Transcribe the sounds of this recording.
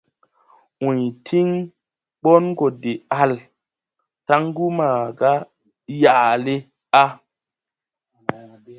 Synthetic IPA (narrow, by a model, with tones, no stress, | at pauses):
ũ˨jtʰi˦ŋ | ɓo˦nɡo˨de˨a˨l | ta˦ŋɡu˦maː˨ɡa˦ | ja˨le˦ | a˦